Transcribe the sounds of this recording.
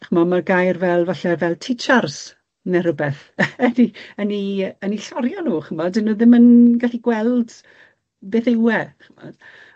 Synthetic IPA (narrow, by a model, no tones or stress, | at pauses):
χəmɔmaɡajrvɛlˠvaɬɛvɛlˠtʰɪt͡ʃars | nɛɾʊbɛθ | ədiəniəniɬɔɾjɔnuːχəmɔdɪnuːðɪmənɡaɬiɡwɛlˠd | beːθewɛχəmɔ̰d̥